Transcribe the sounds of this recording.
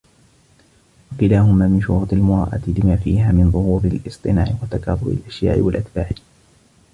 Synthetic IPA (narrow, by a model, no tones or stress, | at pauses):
wɑkɪlaːɦʊmaːmɪnʃʊɾuːt̪ˤɪlmʊɾˤɑ̰ːʔa̰t̪ɪlɪmaːfiːɦaːmɪnðˤʊhuːɾɪlʔɨsˤt̪ˤɨnaːʕɪwat̪akɑːðˤʊbɪ̰lʔaʃja̰ːʔɪ̰walʔat̪baːʕ